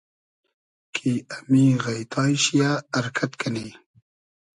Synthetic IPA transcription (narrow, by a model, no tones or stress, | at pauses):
kʰiamiɣajt̪ʰɑjʃijaːɾkʰat̪kani